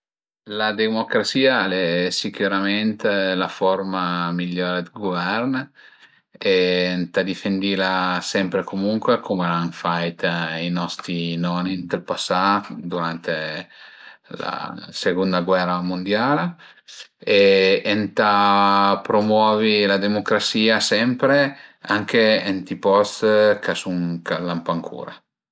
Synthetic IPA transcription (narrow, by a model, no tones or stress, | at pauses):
lad̪emokɾat̪siːalɛsikuɾament̪lafɔrmamiʎːoːɾed̪iɡovɛrn | ent̪ad̪ifend̪ilasɛmpɾekomuŋkwekʰomelanfajt̪inɔst̪ɾinɔnint̪elpasːad̪uɾant̪e | la̰seɡund̪aɡwɛramund̪jal | eent̪apɾomwɔːvilad̪emokɾasiːasɛmpɾeaŋkeent̪ipɔst̪kʰasuŋkalampaŋkʰṵːɾa̰